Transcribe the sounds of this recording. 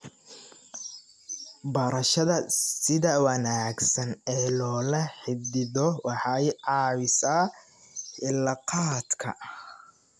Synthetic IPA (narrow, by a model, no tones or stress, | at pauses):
bɐɾɐʃɐðɐsɪðɐwɐnaːɡsɐnɛːlɔːlɐħɪbd̪ɪðɔwɑħɑjʕɑːwɪsɐ | ɪlɐqɑːd̪kʰɐ̰